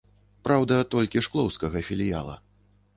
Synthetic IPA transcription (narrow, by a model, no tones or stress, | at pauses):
pɾawd̪ɐt̪ɔlʲkʲiʂklˠɔwskɐɣɐfʲilʲija̰lˠɐ̰